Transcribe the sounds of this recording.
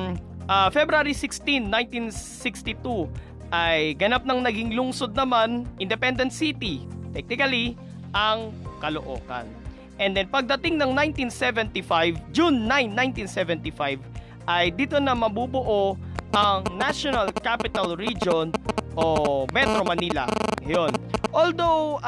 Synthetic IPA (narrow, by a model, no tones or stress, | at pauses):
ʔafɛbɾaɾisɪkst̪inːajnt̪insɪkst̪it̪u | ʔɐjɡɐnap̚nɐŋnɐɡiŋlʊŋsod̪̚nɐmanʔɪnd̪ɛpɛnd̪ɛnt̪̚sit̪it̪ɛk̚nɪkɐli | ʔɐŋkɐloʔo̞̰ːkɐ̰n | ʔɛnd̪ɛnpɐɡ̚d̪ɐt̪ɪŋnɐŋnaj̃nt̪insɛvɛnt̪ifajvd͡ʒunːajnːajnt̪insɛvɛnt̪ifajv | ʔɐjd̪iːt̪o̞nɐmɐbubʊʔo̞ʔɐŋnaʃonɐlkapɪt̪ɐlɹid͡ʒonʔomɛt̪ɾomɐniːlɐ̰jonʔold̪ow